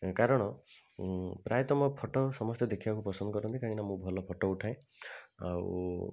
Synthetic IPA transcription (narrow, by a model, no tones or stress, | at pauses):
kaɾɔɽ̃ɔ | pɾʔajɔt̪ɔmɔpʰɔʈɔsɔmɔst̪jɔd̪ekʰibakupɾɔsɔnd̪ɔkɔɾɔnt̪ikaɦĩnamũbʱɔlɔpʰɔʈɔuʈʰae | a̰ṵ